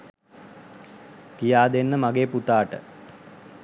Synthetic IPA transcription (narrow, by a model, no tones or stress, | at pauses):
kijaːd̪enːəmaɡeːput̪aːʈə̰